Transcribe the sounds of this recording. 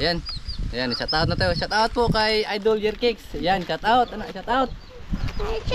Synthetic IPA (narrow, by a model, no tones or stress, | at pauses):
janjanisat̪aʊt̪̚nat̪aosat̪aʊt̪̚poʔkajajd̪old͡ʒɛrkɪksjansat̪aʊt̪anaʔisat̪aʊt̪̚